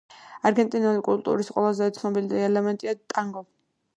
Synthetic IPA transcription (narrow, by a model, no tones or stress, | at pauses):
aɾɡɛnt̪ʼinulikʼult̪ʼṵɾisqʼwɛ̰lˠazɛːt̪sʰnɔbilid̪ɛɛlɛmɛnt̪ʼiat̪ʼaŋɡɔ